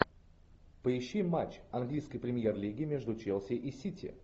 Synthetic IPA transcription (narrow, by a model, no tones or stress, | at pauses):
pəɪɕːimat͡ɕɐnɡlʲijskɨjpɾʲɪmʲjerlʲiɡʲɪmʲeʐd̪ʊt͡ɕelˠsʲɪʔisʲitʲɪ̰